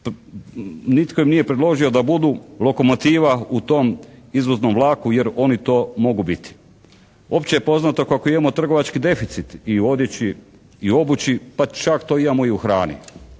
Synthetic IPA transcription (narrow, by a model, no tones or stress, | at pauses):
p | nit̪ko̞imnije̞pɾed̪lo̞ʒio̞d̪abud̪ulo̞ko̞mo̞t̪iːʋaut̪o̞mizʋozno̞mʋlˠaːkuje̞ɾo̞nit̪o̞ːmo̞ɡubit̪i̥ | o̞pt͡ɕejepo̞znat̪o̞kako̞imamo̞t̪r̩ɡo̞ʋat͡ʃkid̪e̞fit̪sit̪io̞d̪jet͡ɕi | io̞but͡ɕipat͡ʃakt̪o̞ːimamoiuxɾaːnḭ